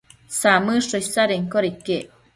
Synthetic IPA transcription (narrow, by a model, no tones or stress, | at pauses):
samɨʂosaɾeŋkoɾike